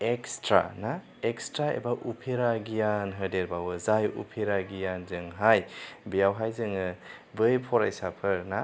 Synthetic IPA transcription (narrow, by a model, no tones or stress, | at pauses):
ekstɾa̰na | ekstɾaḛbaʔupʰeɾaɡijanɦɯdeɾbawɯzajṵpʰeɾaɡijanzɯŋɦajbijawɦajzɯŋɯbɯjpʰɔɾajsapʰɯɾna